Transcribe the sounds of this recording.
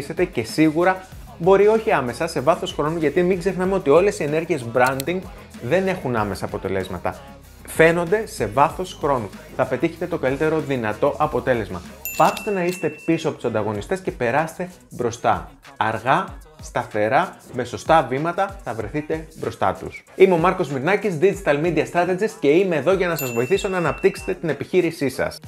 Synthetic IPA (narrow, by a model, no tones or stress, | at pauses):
se̞t̪e̞ce̞siɣuɾɐ | bo̞ɾio̞çiɐme̞sɐse̞vɐθo̞sxɾo̞nuʝɐt̪imiɡze̞xnɐme̞o̞t̪io̞le̞sie̞ne̞ɾʝie̞zbɾɐnd̪iŋɡ | ðe̞ne̞xunɐme̞sɐːpo̞t̪e̞le̞zmɐt̪ɐ̰ | fe̞no̞nd̪e̞se̞vɐθo̞sxɾo̞nuθɐpe̞t̪içe̞̥t̪et̪o̞kɐlit̪e̞ɾo̞ðinɐt̪o̞ʔɐpo̞t̪e̞le̞zmɐ̰pɐpst̪e̞nɐist̪e̞pisoɐpot̪usɐnd̪ɐɣo̞nist̪e̞sce̞pe̞ɾɐse̥t̪e̞ | bɾo̞st̪ɐ̰ː | ɾɣɐst̪ɐθe̞ɾɐme̞so̞st̪ɐvimɐt̪ɐθɐvɾe̞θit̪e̞bɾo̞st̪ɐ̰t̪ṵsimeo̞mɐɾko̞zmiɾnɐcizd̪id͡ʒit̪ɐlmid̪iɐst̪ɾɐt̪ed͡zisce̞ime̞ːðo̞ʝɐnɐsɐzvo̞iθiso̞nɐːnɐpt̪ikset̪e̞t̪ine̞piçiɾisisɐ̰s